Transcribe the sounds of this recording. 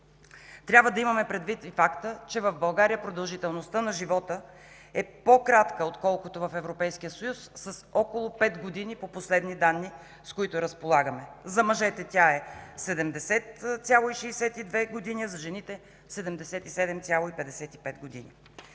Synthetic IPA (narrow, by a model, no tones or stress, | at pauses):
t̪ɾʲabvəd̪ɐimɐmɛpɾɛd̪vit̪ifakt̪ət͡ʃɛvɐvbɐlˠɡaɾijəpɾod̪əlˠʒit̪ɛlˠnost̪ənɐʒivɔt̪ə | ɛpokɾat̪kəot̪kɔlˠkot̪ovɐfɛvɾopɛjskijəsojusːɐsɔkolˠopɛd̪ɡod̪inipoposlɛd̪nid̪anːi | skoit̪ʊɾɐspolˠaɡəmɛzɐmɐʒɛt̪ɛt̪ʲaɛsɛd̪ɛmd̪ɛsɛt̪sʲjalˠoiʃɛːsɛt̪id̪vɛɡod̪iniɛzɐʒɛnit̪ɛ | sɛd̪ɛmd̪ɛsɛt̪isɛd̪ɛmt̪ʲalˠoipɛd̪ɛsɛt̪ipɛd̪ɡod̪inḭ